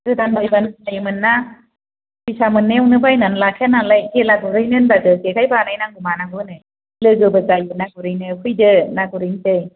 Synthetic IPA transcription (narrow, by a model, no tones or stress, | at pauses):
ɯdanbajbandajmɯnːa | bisamɯnːewnɯbajnanlakʰenanlajkelaɡuɾɯjnɯnbadɯkekʰajbanajnaŋɡumanaŋɡɯnɯ | lɯɡɯbɯzajunaɡuɾɯjnɯkʰɯjdɯnaɡuɾijntɯj